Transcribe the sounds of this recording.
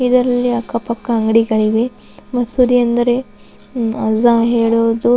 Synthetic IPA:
id̪ɐɾɐlːiɐkːɐpɐkːɐɐŋɡɐɽiɡɐɭiʋe | ʋɐsud̪iɐnd̪ɐɾe | ɐzaɦeːɭoːd̪u

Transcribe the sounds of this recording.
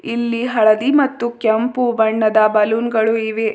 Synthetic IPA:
ilːiɦɐɭɐd̪imɐt̪ːukjɐmpubɐɳːɐd̪ɐbɐluːnɡɐɭuiʋe

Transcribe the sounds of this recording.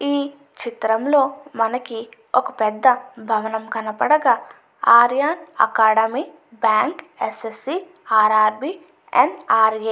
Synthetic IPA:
iː | t͡ʃit̪ɾɐmlo̞ːmɐnɐki | okɐpɛd̪ːɐbʱɐʋɐnɐmkɐnɐpɐɽɐɡaː | aːɾjaːnɐ̰kaːɽɐmiː | bjaːŋkesesi | aːɾaːɾbiː | ḛnaːɾɡeː

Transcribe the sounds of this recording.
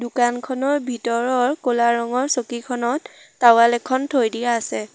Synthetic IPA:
dʊkankʰɔnɔɹbʱitɔɹɔɹkolaɹɔŋɔɹsokikʰɔnɔtːawalɛkʰɔntʰojdijaːsɛ

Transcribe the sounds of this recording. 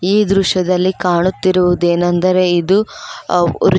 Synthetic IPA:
iːd̪ɾuʃɐd̪ɐlːikaːɳut̪ːiɾuʋud̪eːnɐnd̪ɐɾe̞id̪u | ɾ

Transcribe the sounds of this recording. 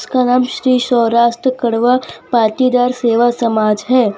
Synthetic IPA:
skanaːmʃɾiːʃɔːɾaːʃʈɾəkɐɽʋapaːt̪id̪aːɾseːʋasɐmaːd͡ʒɦɛː

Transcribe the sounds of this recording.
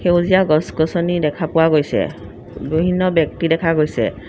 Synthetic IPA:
xewzijaɡɔskɔsɔnidɛkʰapʊwaɡojsɛ̰ | bibʱinːɔbjɔk̚tidɛkʰaɡojsɛ̰

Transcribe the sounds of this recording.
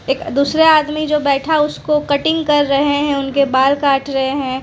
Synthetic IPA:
eːkd̪uːsɾeaːd̪mid͡ʒoːbɛːʈʰaʊskokɐʈɪ̃ŋɡkɐɾːɐɦeɦɛ̃ʊnkebaːlkaːʈʰɾɐɦeɦɛ̃ː

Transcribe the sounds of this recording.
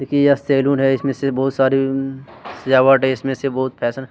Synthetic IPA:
d̪ekʰijast̪eːluːnɦɛɪsmẽsebɔːʊt̪saːɾi | sɪd͡ʒaːʋaːʈɦɛɪsmẽsebɔːʊt̪pʰɛːsən

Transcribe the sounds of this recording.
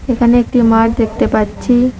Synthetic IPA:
ekʰaneek̚ʈimaɾd̪ek̚ʰt̪epatːɕʰi

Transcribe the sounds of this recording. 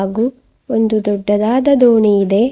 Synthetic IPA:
ɡu | ond̪ud̪ɔɖːɐd̪aːd̪ɐd̪oːɳiid̪e̞

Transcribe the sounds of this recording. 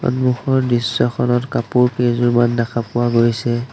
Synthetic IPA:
ɔ̰nbuxɔɹdisːɔxʰɔnɔtkapʊɹkezɔɹmandakʰapʊwaɡojsɛ

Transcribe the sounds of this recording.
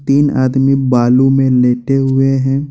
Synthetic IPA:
t̪iːna̰ːd̪mibaːlumẽleːʈeɦʊeɦɛ̃ː

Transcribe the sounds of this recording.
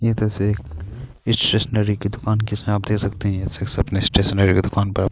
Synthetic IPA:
jet̪oɪseːk | ɪsʈɾeːʃneɾiked̪ʊkaːnkɪsmẽaːp̚d̪eːkʰsɐkt̪eɦɛ̃jet̪eksɐpneɪsʈeːʃneɾiked̪ʊkaːnpɐɾaːp

